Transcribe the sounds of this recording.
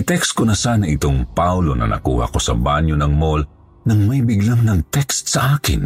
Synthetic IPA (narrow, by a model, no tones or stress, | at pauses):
ɪt̪ɛkst̪̚konɐsaːnɐʔɪt̪oŋpawlo̞nʔɐ̰nʔɐ̰kṵːhɐ̰ko̞sɐbanjonɐŋmol | nɐŋmɐjbɪɡlamnɐŋt̪ɛkst̪sɐʔaːkɪ̰n